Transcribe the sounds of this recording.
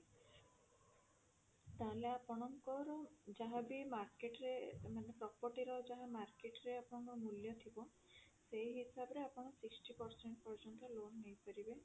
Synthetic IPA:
t̪aleapɔɽ̃ɔŋkɔɾɔd͡ʒaɦãbimaɾkeʈɾemanepɾɔkːɔʈiɾɔd͡ʒaɦãmaɾkeʈɾeapɔɽ̃ɔŋkɔmuljɔt̪ʰibɔ | seɦisabɔɾeapɔɽ̃ɔsiksʈipɔɾseɳʈpɔɾd͡ʒɔnt̪ɔlonːejpɔɾibe

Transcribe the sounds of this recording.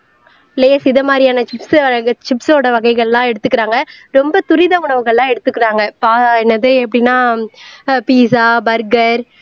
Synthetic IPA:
ɪlɐjːsɪðɐmaːd̪ɾɪjaːnɐt͡ʃɪpst͡ʃɪpsoːɽɐʋɐɣɐɪɣɐɭlãːɛɽɯt̪ːɯkːɪɾaːŋɡɐɾɔmbɐt̪ʊɾɪðɐʊɳɐʋɯɣɐɭlãːɛɽɯt̪ːɯkːɪɾaːŋɡɐpaːɛnːɐðɯɛpːɐɽɪnːaː | piːsaːbɐɾɡɐɾ

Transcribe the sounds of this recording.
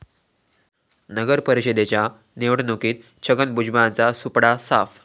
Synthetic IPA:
nəɡəɾpəɾiɕed̪et͡ɕja | neʋɽnokiːt̪̚ | t͡ɕʰəɡənbud͡ʑbant͡sasupɽasaf

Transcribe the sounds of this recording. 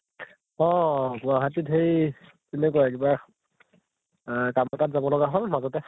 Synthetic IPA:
ɔ̃ɡuaɦatitɦej | tɛnɛkoɛkiba | kamɔtatzabɔlɔɡaɦɔjmazɔtɛ

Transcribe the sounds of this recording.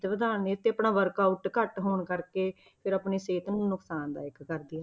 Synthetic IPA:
t̪ʋəd̪aːneːt̪ːeːəpɳaːʋəɾkaːuʈkəʈɦoːɳkəɾkeː | pʰɪɾaːpɳeːseːt̪nũːnʊksaːnd̪a̰ːɪkkəɾd̪ɪjaː

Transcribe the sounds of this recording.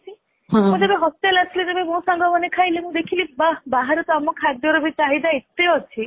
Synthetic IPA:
t͡ʃʰi | mũd͡ʒebeɦɔst̪elat̪ʰilid͡ʒebemũsaŋɡɔmɔnekʰajlimũd̪ekʰilibabaɦaɾɔt̪ɔamɔkʰad̪jɔɾɔbʱit͡ʃaɦid̪aet̪ːeɔt͡ʃʰi

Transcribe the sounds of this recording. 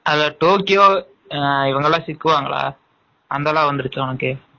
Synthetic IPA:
ɐðɐʈoːkːɪjoː | ɪʋɐŋɡɐlːãːsɪkːɯʋaːŋɡɐɭa̰ː | ɐnd̪aːlãːʋɐnd̪ɪɾɯt͡ʃːɯɐnɐkːɯ

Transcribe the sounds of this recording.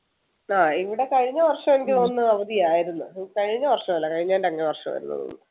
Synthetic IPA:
aːiʋiɽe̞kɐɻiɲːɐʋɐrʂɐmenikʲːɨo̞nːɨɐʋɐd̪ijaːjiɾunːɨkɐɻiɲːɐʋɐrʂɐmɐlːɐkɐɻiɲːaːnɖeɐŋːɐneʋɐrʂɐmʋɐ̰ɾunːɐ̰ðṵnːɨ

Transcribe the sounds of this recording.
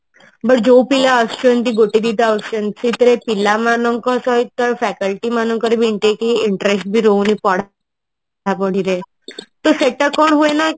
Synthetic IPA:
bəʈ̚d͡ʒowpilaəsənt̪̬iɡoʈid̪it̪aəst͡ʃənsit̪əɾepilamanəŋkɔsɔit̪əɾfɛkəlʈimanəŋkəɾibʱiɳʈekiɪɳʈɾesʈ̚bʱiɾownipɔɽ̤a | apɔɽ̤iɾe | t̪ɔseʈəkɔɳɦuena

